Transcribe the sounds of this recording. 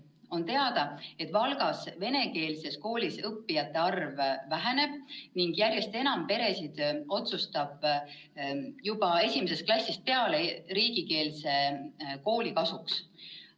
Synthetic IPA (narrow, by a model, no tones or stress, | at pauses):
o̞nt̪e̞ɑd̪ɑe̞t̪ˑvɑlɡ̥ɑsve̞ne̞ke̞ːlse̞sko̞ːlʲisɤpːijɑt̪ːˑe̞ɑrvːæɦene̞b̥niŋɡ̥jærjest̪e̞nɑmpe̞ɾe̞sid̪̥o̞t̪sust̪ɑb̥ | jubɑe̞sʲimes̬e̞st̪klɑsʲːist̪̚pe̞ɑle̞ɾiːɡ̥ike̞ːlse̞ko̞ːlʲikɑsuks